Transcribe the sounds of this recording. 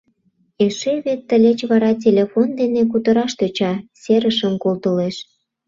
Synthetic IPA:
eʃeβet̪ːə̆lʲet͡ɕβɑɾɑt̬ʲelʲefond̪enek̬ut̪əɾɑʃt̪øt͡ɕɑseɾəʃəmkolt̪əleʃ

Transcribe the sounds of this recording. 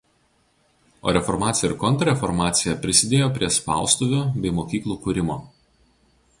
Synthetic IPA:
o̰ːɾʲɛfɔɾmɑːt̪sʲjɛɪɾkɔnt̪ɾɐɾʲɛfɔɾmɑːt̪sʲɪjɛpʲɾʲɪsʲɪd̪ʲeːjoːpʲɾʲiɛspɑ̰ˑʊst̪uʋʲoːbʲɛɪmoːkʲiːklˠuːkʊɾʲɪmoː

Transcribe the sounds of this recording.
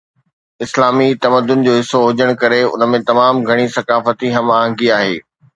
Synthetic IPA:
ɪslaːmit̪ɐməd̪ːʊn̆d͡ʑoːɦɪsːoɦʊd͡ʑəɽ̃kɐɾeʊ̰nə̆mẽt̪ɐmaːmɡʱɐɽ̃isɐkaːfət̪iɦɐmaːɦə̃ŋɡiaːɦḛː

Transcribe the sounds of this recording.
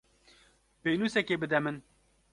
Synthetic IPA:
peːnuːsɛkeːbɨd̪ɛmɨn

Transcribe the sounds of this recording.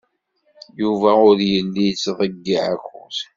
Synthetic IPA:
juvæʊɾjənːijət͡sːðˤəɡːiʕaxʊ̰θ

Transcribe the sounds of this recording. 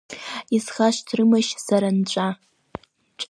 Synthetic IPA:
isχaʃʷtʰrɨmaʃsaɾant͡ʃʷʼa | t͡ʃʼ

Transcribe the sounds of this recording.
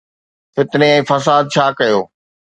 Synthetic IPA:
fɪt̪neɛ̃ːfɐs̬aːd̪̚t͡ɕʰaːkɐjoː

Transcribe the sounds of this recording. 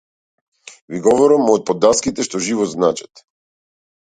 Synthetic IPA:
viɡɔvɔɾamɔt̪̚pɔd̪ːaskit̪ɛʃt̪ɔʒivɔznat͡ʃɛ̥t̪

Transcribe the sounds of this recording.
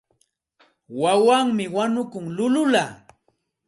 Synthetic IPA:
wawaŋmɪwanʊkʊŋlʊlʊlaː

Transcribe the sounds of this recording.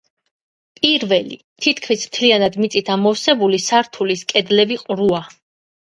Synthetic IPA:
pʼiɾvɛlḭ | t̪ʰit̪ʰkʰmismt̪ʰlianad̪mit̪sʼit̪ʰamɔfsɛbulisaɾt̪ʰuliskʼɛd̪lɛbiqʼɾua

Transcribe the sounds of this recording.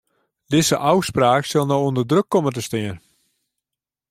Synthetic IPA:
dɪzəʔawspraːksɪlˠnɔwondərdrøkːɔmət̬əstɪən

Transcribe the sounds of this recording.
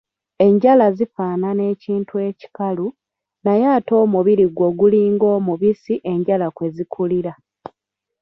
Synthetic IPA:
e̞ɲɟalazifaːnane̞ːciːntue̞ːci̥kalu | najaːto̞ːmuβiɾiɡwo̞ɡuliːŋɡo̞ːmuβisiʔe̞ɲɟalakwe̞zikʰuliɾa

